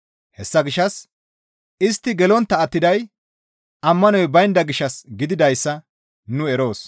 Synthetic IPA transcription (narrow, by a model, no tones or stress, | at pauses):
hɛsːɐɡɪʃːɐs | ɪst̪ːɪɡɛlɔnt̪ːɐːt̪ːɪd̪ɐj | ɐmːɐnɔjbɐjnd̪ɐɡɪʃːɐsɡɪd̪ɪd̪ɐjsːɐ | nʊɛɾo̞ːs